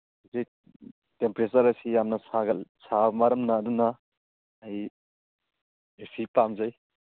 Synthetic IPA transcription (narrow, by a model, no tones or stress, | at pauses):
zej | tempɾesɐɾɐsijamnɐsaɡɐlsamaɾɐmnɐːdunɐː | j | esipamzaj